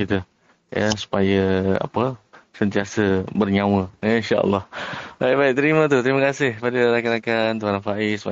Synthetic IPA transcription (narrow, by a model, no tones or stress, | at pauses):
kit̪ə | ja̰su̥pajəa̰pəsənt̪iasəbərɲawəainʃaʔə̰lːɔhbajʔbaiʔ̚t̪əɾimat̪ut̪ɾiməkasɪhpadəɾakanakant̪uanafaʔisu̥a